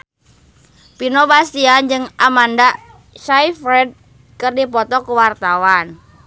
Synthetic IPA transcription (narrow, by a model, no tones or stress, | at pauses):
pinɔbasiand͡ʒɨŋamanda | ʃaifɾɛd̚ | kɨrdipɔt̪ɔkuwart̪awan